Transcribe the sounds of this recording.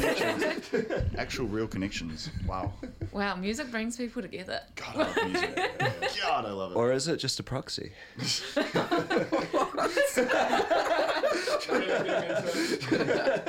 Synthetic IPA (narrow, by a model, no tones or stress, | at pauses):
ʔæk̚t͡ʃul̩ˠɹilˠkʰənɛkʃə̃nz̥wa̰ʊwalˠmjʉːzɪk̚b̥ɹɪ̃ŋz̥piˑpl̩ˠɾɨɡɛðə̰ɡ̥ɑʌm | ɡ̥ɑɾaɪlʌvəə˞ɪzɨt̚d̥ʒ̥ʌstəpʰɹ̥ɑksḭ